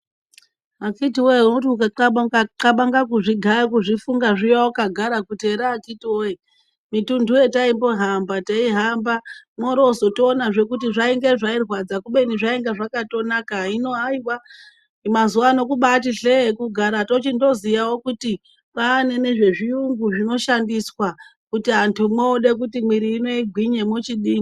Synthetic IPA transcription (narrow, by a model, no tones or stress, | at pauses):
akitiwoenotiukaǃaɓakaǃaɓaŋɡakuʐiɡʱakuʐifuŋɡaʐijawokaɡʱaɾakute̞ɾaːkitiwoje | mitundʱuje̞taimbo̞ɦambataiɦambamoɾo̞zo̞toːnaʐe̞kutiʐaiŋɡe̞ʐairwad͡zakuɓe̞niʐaeŋɡeʐakato̞nakaino̞aiwa | imazuwano̞kuɓatiɬekuɡʱaɾato̞t͡ʃindo̞zijawo̞kuti | paːne̞ne̞ʐe̞ʐiuŋɡuʐino̞ʃandiswakutiɦantʰumwoːɗe̞k̬utimwiɾiːno̞iɡʱwiɲemot͡ʃiɗiːŋɡi